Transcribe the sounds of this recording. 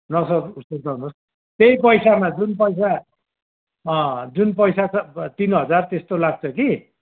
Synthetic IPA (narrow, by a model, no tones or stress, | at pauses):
nʌsʌust̪ord̪ʌunos | t̪ejp̬ʌjsamad͡zunp̬ʌjs̬a | ʌd͡zunpʌjsat͡sʌt̪inɦʌd͡zart̪est̪olaɡ̚t͡sʰʌki